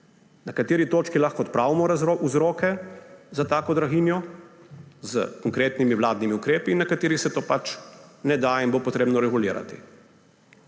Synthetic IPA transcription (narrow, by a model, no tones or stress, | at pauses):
nakat̪eːɾit̪oːt͡ʃkilaxkɔːt̪pɾaːʋimɔɾaouzɾoːkɛzat̪aːkɔd̪ɾaɣiːnjɔ | zə̰kɔŋkɾeːt̪nimiʋlaːd̪nimiukɾeːpiːnːakat̪eːɾixsɛt̪oːpat͡ʃnɛd̪ainbopɔt̪ɾeːbnɔɾɛɡuliːɾa̰t̪ḭ